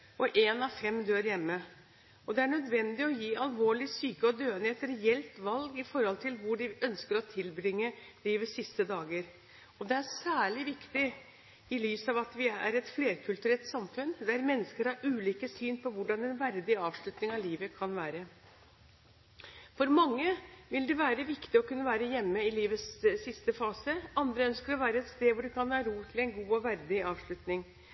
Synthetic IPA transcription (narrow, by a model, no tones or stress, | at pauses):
ɔʔeːnɑʋfɛmːd̪øːɾjɛmːə | ɔd̪ɛæɳœd̪ʋɛnd̪ɪɔjiːɑlʋoːɭɪsyːkəɔd̪øːənheːt̪ɾɛɛlt̪ʋɑlɡɪfɔɾhɔlt̪ʰɪlʋʊɖɪœnskəɾɔt̪ʰɪlbɾɪŋːəliːʋəsɪst̪əd̪ɑːɡəɾ | ɔd̪ɛæɾsæːɭɪʋɪkt̪ɪ | ɪlyːsɑʋɑt̪ʋɪæ̰ɾɛt̪fleːɾkʰʉlt̪ʉɾɛlt̪sɑmfʉnd̪ææɾmɛnːəskəɾhɑɾʉːliːkəsyːnpʰɔʋʊɖɑnɛnʋæɾd̪ɪɑːʋʂɭʉt̪nɪŋɑʋliːʋəkʰɑnʋæːɾə | fɔɾmɑŋːəʋɪld̪ɛʋæːɾəʋɪkt̪ɪɔkʉnːəʋæːɾəjɛmːəɪliːʋəssɪst̪əfɑːsəɑnd̪ɾəœnskəɾɔʋæːɾəɛt̪st̪eːʋʊɖɛkʰɑnhɑːɾuːt̪ʰɪlɛnɡuːɔʋæɾd̪ɪɑːʋʂɭʉt̪nɪŋ